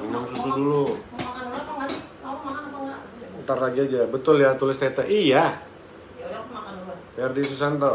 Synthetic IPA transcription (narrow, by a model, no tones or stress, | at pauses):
inaŋsusudulu | nt̪arlaɡiad͡ʒabət̪ʊljat̪ulɪst̪at̪aʔija | bajardisus̬ant̪o